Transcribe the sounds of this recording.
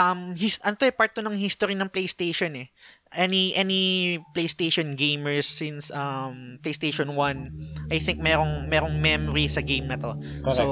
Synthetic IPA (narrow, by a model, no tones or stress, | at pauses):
ʔɐmhisʔɐnot̪oʔɛpaɹt̪̚d̪onɐŋhist̪oɾinɐŋplejst̪ejʃonɛ | ʔɛniʔɛniplejst̪ejʃonɡẽjmɛɹsːɪnsɐmplejst̪eʃonwɐnʔɐjθɪ̃ŋk̚mɛːɾoŋmɛːɾoŋmɛmɔɾisɐɡẽjmnɐt̪oks